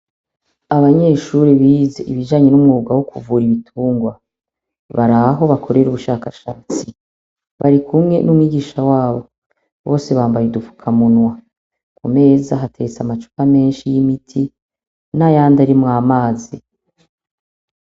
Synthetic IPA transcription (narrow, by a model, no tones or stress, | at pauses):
aβaɲe̞ʃuɾeβiːzeʔiβid͡ʒaːɲe̞numŋuːɡawokʰuvuːɾiβitʰuːŋɡwa | βaɾaɦo̞βakʰo̞ɾe̞ɾuβuʃaːkaʃaːt͡si | βaɾikʰumŋe̞nʔumŋiːɡiːʃawaːβo̞ | βo̞ːse̞βaːmbajedufu̥kʰamunwa | kʰume̞ːzaɦate̞ɡet͡samat͡ʃu̥kame̞ːnʃijimitʰi | najaːndaɾimŋaːmaːzi